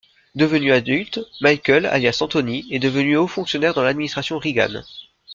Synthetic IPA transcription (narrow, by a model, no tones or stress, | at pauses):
d̪əvənyad̪ylt̪majkʲœla̰ljasɑ̃t̪ɔnied̪əvənyofɔ̃ksjɔnɛʁd̪ɑ̃lad̪minist̪χasjɔ̃ʁiɡa̰n